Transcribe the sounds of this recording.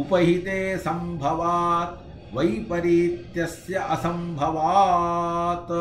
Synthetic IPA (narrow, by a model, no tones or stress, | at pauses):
upɐɦit̪eːsɐmbʱɐʋaːt̪̚ | ʋɐjpɐɾiːt̪jɐsjɐʔɐsɐmbʱɐʋaː | t̪